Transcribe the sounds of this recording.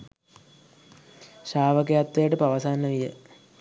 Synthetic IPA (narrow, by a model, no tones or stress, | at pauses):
ɕaːʋək̬ejat̪ʋejəʈəpaʋɐsaːnːəʋijə̰